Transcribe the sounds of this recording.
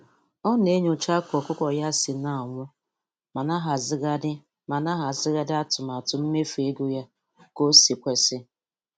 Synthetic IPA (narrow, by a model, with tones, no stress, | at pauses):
ɔ˦ne˦ɲo˨t͡ʃa˦kɔ˨kʊ˦kɔ˨ja˦sɪ˨na˨ŋʷʊ˦ | ma˨na˦ɦa˨zɡ | ma˨na˦ɦa˨zɪ˦ɣa˦dɪ˦a˦tʊ˨m˨a˨tʊ˨m̩˦me˦fe˨˦ɡo˦ja˦ | ko˦si˨kʷe˨sɪ˦